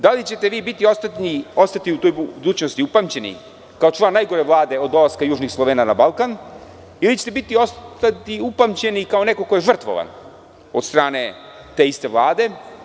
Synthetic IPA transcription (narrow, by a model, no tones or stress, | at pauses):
d̪alit͡ɕe̞t̪e̞ʋiːbit̪iost̪aio̞st̪at̪iut̪ojubud̪uːt͡ɕnost̪iupamt͡ɕe̞nḭ | kaot͡ʂlˠanːajɡo̞ɾeʋlˠaːd̪e̞o̞d̪o̞laskajuːʒnixslˠo̞ʋeːnanabalˠkan | ilit͡ɕet̪ebit̪io̞st̪at̪iupamt͡ɕe̞nikao̞ne̞ko̞ko̞je̞ʐər̩t̪ʋo̰ʋa̰n | o̞t̪st̪ɾaːne̞ | t̪e̞ist̪e̞ʋlˠaːd̪e̞